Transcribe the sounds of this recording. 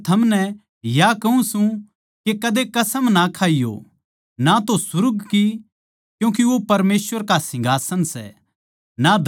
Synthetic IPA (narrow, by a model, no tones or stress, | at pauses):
t̪ʰɐmnɛ | jakɐɦũsũ | kekɐd̪ekɐsəmnakʰaːijo̰ | nat̪osʊɾɡki | kjũːk̬iʋopɐɾmeːsʋəɾkasɪ̃ŋɡʱaːsənsɛ̰ | nad̪